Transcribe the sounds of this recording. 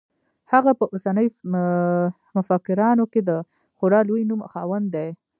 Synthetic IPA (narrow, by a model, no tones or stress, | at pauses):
haɣapəʔosanəj | mʊfakɪɾɑnoked̪ə | xʊɾɑlojnumxɑwənd̪d̪aj